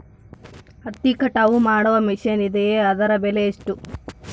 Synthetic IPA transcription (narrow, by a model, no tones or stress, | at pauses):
ɐt̪ːikɐʈaʋumaːɽɐʋɐmiʃɐnid̪ejeːɐd̪ɐɾɐbeleiʂʈu